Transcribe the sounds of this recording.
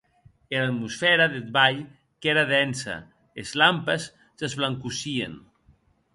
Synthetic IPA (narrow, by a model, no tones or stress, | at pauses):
elat̪musfɛɾaðet̪̚βaʎ | keɾaðɛnsɐ̰ | ezlampes | sezβlaŋkusiḛn